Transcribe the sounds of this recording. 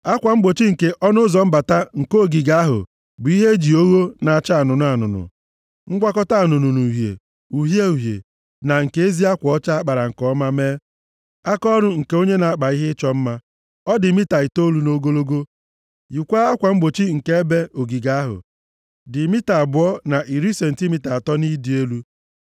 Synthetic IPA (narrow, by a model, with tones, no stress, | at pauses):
a˦kʷa˨ŋ͡m̩˦ɡ͡bo˨t͡ʃi˦ŋ̩˨ke˨ʔɔ˦nʊ˦zɔ˨m̩˦ba˨ta˦ŋ̩˨ko˦˨ɡi˨ɡa˦ɦʊ̰˨ | bʊ˨˦i˦ɦe˦d͡ʒi˨o˦ɣo˦na˨a˨t͡ʃa˦a˨nʊ˨nʊ˦a˨nʊ̰˨nʊ̰˨ | ŋ͡m̩˦ɡʷa˦kɔ˦ta˦a˨nʊ˨nʊ˨nu˨ɦjḛ˨ | u˨ɦje˦u˨ɦjḛ˨ | na˨ŋ̩˨ke˦e˦zi˦a˦kʷɔ˨ɔ˦t͡ʃa˦k͡pa˨ɾa˨ŋ̩˨kɔ˦ma˦me˦ | a˦kɔ˦ɾʊ˦ŋ̩˨ke˦o˦ɲe˦na˨a˦k͡pa˨i˦ɦɪ˦t͡ʃɔ˦m̩˦ma˦ | ɔ˦dɪ˨mi˦ta˨ɪ˨to˦lu˦no˦ɡo˦lo˦ɡo˦ | ji˨kʷa˦a˦kʷa˨ŋ͡m̩˦ɡ͡bo˨t͡ʃi˦ŋ̩˨ke˦e˦be˦o˨ɡi˨ɡa˦a˦ɦʊ̰˨ | dɪ˨mi˦ta˨bʊ˨ɔ˦na˨ʔi˨ɾi˦se˨n̩˨ti˦mi˨ta˨a˨tɔ˦ni˦di˨˦e˦lu˦